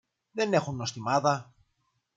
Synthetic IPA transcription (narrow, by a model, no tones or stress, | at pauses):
ðene̞xunːost̪imaðɐ